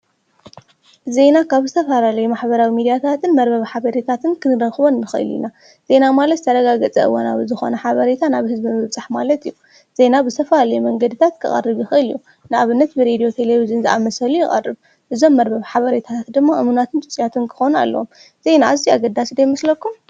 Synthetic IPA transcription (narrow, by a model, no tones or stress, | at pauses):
ze̞nakʰaβzɨt̪ʰɐfalalɐjumaħbɐɾawimid̪ijat̪ʰat̪ʰɨnmɐɾbɐβħaβɐɾet̪ʰat̪ʰɨnkʰɨnɨɾɐxβonːɨxɐ̰lḭna | z̥e̞namalɐt̪t̪ʰɐɾɐɡaɡɐt͡sʼɐ̰ɨ̰wona̰βɨzɨxo̞̰nɐħaβɐɾet̪ʰanaβhɨzbimɨβt͡sʼaħmalɐt̪ijːu | z̥e̞nabɨzɨt̪ʰɐfɐlalɐjumɐŋɡɐd̪ɨt̪ʰat̪kʰɨχʼɐ̰rːɨβjɪxɨʔɨlijːu | nɨaβɨnːɐt̪̚bɨɾed̪io̞t̪ʰeleβizɨnzɨʔa̰mɐsɐlujɪxʼɐ̰rːɨβ | ʔɨzo̞mːɐɾbɐβħaβɐɾet̪ʰat̪ʰat̪d̪ɨmːaʔɨmunat̪ʰɨnt̪ʼɨt͡sʼijat̪ʰɨnkʰɨ̥xo̞na̰lːɐ̰wom | ze̞naːziaɡɐd̪ːasid̪ajmɐslɐkːum